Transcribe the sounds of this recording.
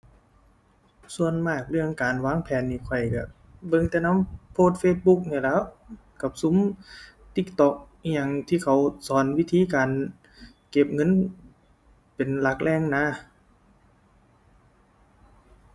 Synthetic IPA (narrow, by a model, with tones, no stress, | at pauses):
su˧ənmaː˧˩k̚lɯ˧˩əŋkaː˨nwaː˧˥˨ŋpʰɛː˨nːiː˧˩kʰɔ˧˩jka˧˩ | bɤ˧˨ŋt̪ɛ˧na˧˥˨mpʰoː˧˨t̪̚feː˧˩t̪̚bu˧˥k̚niː˧˩lɛː˧˥˨w | ka˧˩p̚su˧˦m | t̪i˧˩k̚t̪ɔ˧˩k̚ɲa˧ŋt̪ʰiː˧kʰa˧˩wsɔː˨˦nwi˧˥˨t̪ʰiː˧˥˨kaː˨n | ke˧p̚ŋɤ˧˥˨n | pe˨nla˧˩k̚lʔɛː˧˨ŋnaː˧˥˨